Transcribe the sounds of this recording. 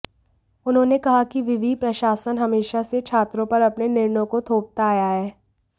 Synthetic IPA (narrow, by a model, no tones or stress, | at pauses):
ʊnɦõːnekɐɦakiʋɪʋipɾɐʃaːsənɦɐmeːʃaset͡ʃʰaːt̪ɾõpɐɾɐpnenɪɾnõkot̪ʰoːp̚t̪aːjaɦɛː